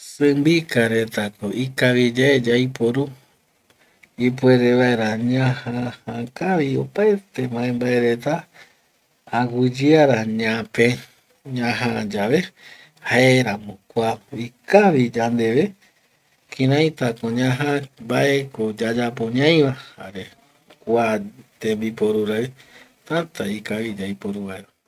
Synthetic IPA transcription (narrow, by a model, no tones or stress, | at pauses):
sɨ̃mbikaɾet̪akoʔikaβid͡ʒaed͡ʒajpo̞ɾu | ip̬we̞ɾeβaeɾaɲãhahãkaʋio̰paet̪e̞mãẽmbae̞ɾe̞t̪a | aɡɨd͡ʒɨaɾaɲãpẽ | ɲãɦãd͡ʒaʋe̞ | haeɾamõkʷaikaʋid͡ʒand̪e̞ʋe̞ | kʰĩɾãj̃t̪akõɲãɦãmbaʔekod͡ʒad͡ʒap̬oɲãj̃ʋaha̰ɾe | kʷat̪ẽmbipo̞ɾuɾae | t̪at̪aikaβid͡ʒaipoɾuβaeɾa